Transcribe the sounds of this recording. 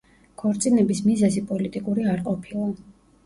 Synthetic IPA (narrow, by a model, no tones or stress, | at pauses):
kʰɔɾt̪sʼinɛbismizɛzipʼɔlit̪ʼikʼuɾiaɾqʼɔpʰilˠa